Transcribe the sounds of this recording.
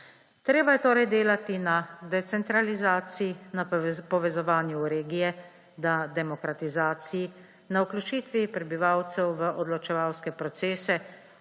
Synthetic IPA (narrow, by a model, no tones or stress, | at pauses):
t̪ɾeːbajɛt̪oːɾɛjd̪eːlat̪inad̪ɛt̪sɛnt̪ɾalizaːt̪siinapɔʋɛzɔʋaːnjuɾeːɡijɛ | d̪ad̪ɛmɔkɾat̪izaːt̪siji | nauklʲut͡ʃiːt̪ʋipɾɛbiʋawt̪sɛwʋəʔɔd̪lɔt͡ʃɛʋawskɛpɾɔt̪seːsɛ